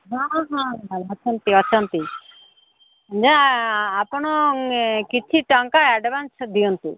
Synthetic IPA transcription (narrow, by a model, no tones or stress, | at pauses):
ɦãɦãbalɔt͡ʃʰɔnt̪iɔt͡ʃʰɔnt̪i | d͡ʒaapɔɽ̃ɔkit͡ʃʰiʈɔŋkaɛɖbansd̪iɔnt̪ḭ